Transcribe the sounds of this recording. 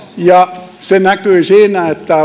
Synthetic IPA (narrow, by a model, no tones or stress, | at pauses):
jɑsenækøisiːnæet̪ːæ